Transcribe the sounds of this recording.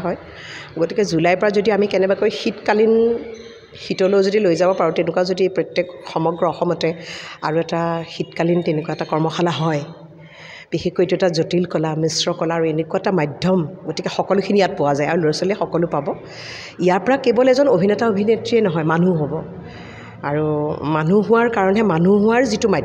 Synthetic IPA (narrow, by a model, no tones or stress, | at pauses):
ɦɔj | ɡotikɛzulajpɔɹazodiamikɛnɛbakojxitkalin | xitɔlozodilojzabɔpaɹɔtenʊkaʊzodipɹɔtːekxɔmɔɡɹɔɔxɔmɔtɛa̰ɹuɛtaxitkalintenekuwaɛtakɔɹmɔxalaɦɔj | b̥ixekːoetuɛtazotilkɔlamisɹɔkɔlaːɹuenekuwaɛtamajdʱɔmɡotikɛxɔkɔlʊkʰinijat̚pɔwazajaɹuloɹasɔliɛxɔkɔlʊpabɔ | ijaɹpɔɹakːebɔlɛzɔnobʱinɛtaobʱinetɹiɛnɔɦɔjmanuɦobɔ | aɹumanuɦʊwaɹkaɹɔnɦɛmanuɦʊ̃aɹzitʊmajd